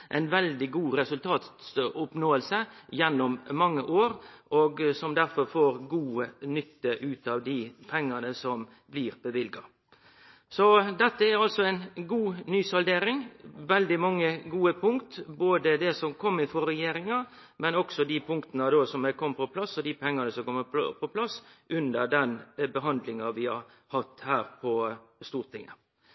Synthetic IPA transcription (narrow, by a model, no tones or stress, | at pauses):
ʔɛ̰ɪnʋɛld̪ɪɡuːɾɛsʉlt̪ʰɑːt̪sʊpnoːəlsəjɛnːɔmmɑŋːəʔoːɾoːɡsɔmd̪æɾfɔɾfoːɾɡuːənʏt̪ːəʔʉːt̪ɑːʋd̪ɪpʰɛŋːɑnəsɔm | blɪːɾbəʋɪlɡɑ | sɔd̪ɛt̪ːəæɾɑlsɔæɪnɡuːnyːsɔld̪eːɾɪŋʋɛld̪ɪmɑŋːəɡuːəpʰʊŋkt̪boːd̪əd̪ɛsɔmkʰɔmːɪfɔɾɛjeːɾɪŋɑ | mɛnɔksɔd̪ɪpʰʊŋkt̪ənəd̪oːsɔmɛkʰɔmːpʰɔpʰlɑsːɔd̪ipʰɛŋːɑnəsɔmkɔmːəppʰɔpʰlɑsʔʉnd̪əɾd̪ɛnbəɦɑnd̪lɪŋɑʋɪhɑɾ | hɑt̪ːhæːɾpʰɔst̪uːɾt̪ʰɪŋːə̰